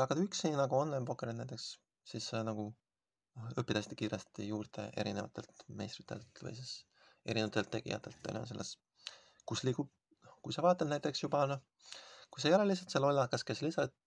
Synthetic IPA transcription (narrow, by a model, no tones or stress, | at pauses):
ɑkɑt̪yksinɑɡuo̞nlɑjnpo̞kːˑeɾinæjt̪ːˑe̞ks | sisːenɑɡ̥u | ɤpːˑid̪ɑsi̥t̪i̥kiːɾest̪t̪ijuːɾd̪̥e̞̰ʔe̞̰ɾinevɑ̰t̪ːˑe̞lt̪mḛjst̪rit̪e̞̰lt̪vɤ̰jsis | e̞ɾinevɑt̪elt̪ːe̞ɡ̥ḭjɑ̰t̪ːˑe̞lt̪̚pḛnʲo̰se̞lːes | kusliːkub̚ | kujsɑvɑːt̪ːˑennæjt̪ˑːe̞ksjubɑno | kujsejolelis̬ɑt̪se̞lːo̞lʲːɑkːˑɑske̞slisɑt̪̚